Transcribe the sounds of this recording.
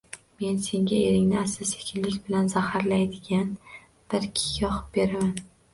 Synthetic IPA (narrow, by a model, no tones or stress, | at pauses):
me̞nse̞ŋɡʲaeɾɪŋnɪasɪsekʲʰɪnlɪkʲbɪlanzahaɾlajd̪ɪɡʲan | b̥ɪɾkʲʰɪ̥ɡʲaɒχɨ̥p̚be̞ɾaman